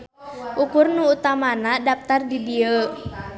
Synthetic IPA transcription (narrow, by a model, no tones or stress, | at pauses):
ʔukʊrnuːt̪amanadap̚t̪ardidiə